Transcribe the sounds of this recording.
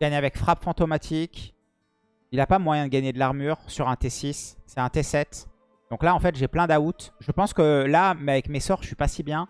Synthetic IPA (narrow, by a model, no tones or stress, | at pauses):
ɡaɲavɛkfχapfɑ̃t̪omat̪ʰik | ilapamwajɛ̃d̪əɡaɲed̪əlaʁmyʁsyʁɛ̃t̪esisːɛt̪ɛ̃t̪esɛt̪ | d̪ɔ̃klaɑ̃fɛt̪ʒeplɛ̃d̪aut̪ʒəpɑ̃skəlamɛavɛkmesɔʁʃɥipasibjɛ̃